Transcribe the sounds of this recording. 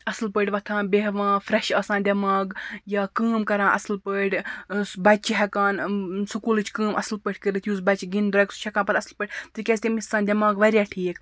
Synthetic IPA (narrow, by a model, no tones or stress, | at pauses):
ɐslpəʈʲʋɐt̪ʰãːbʲeɦʋãːfɾɐʃɐːsãːnd̪ʲɐmaːɡjaːkəːmkɐɾãːʔɐslpəʈʲbɐt͡ʃiɦɛkaːnsukuːlɨt͡ʃʰkəːmʔɐslpəʈʰʲkəɾɨt̪ʰjuːzbɐt͡ʃɡind̪ɾɐkst͡ʃʰɐkãːpɐɾɐslpəʈʲt̪ɨkʲesʲt̪ʲemisãːnd̪ʲɐmaːɡʋɐɾʲjaːʈʰiːk